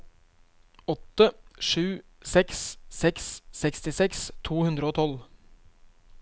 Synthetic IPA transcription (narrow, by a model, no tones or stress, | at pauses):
ɔt̪ːəʂʉː | sɛkssɛkssɛkst̪ɪsɛkst̪ʰuːhʉnd̪ɾəoːt̪ʰɔl